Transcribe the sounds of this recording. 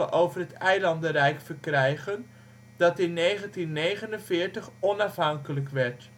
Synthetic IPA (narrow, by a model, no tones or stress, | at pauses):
əʔowvərɦətɛjlɑndərɛjkfəɹkrɛjχən | dɑtɪnːejχəntinːejχənənvɪːɹtəχɔnɑfɦɑŋkələkʋɛɹt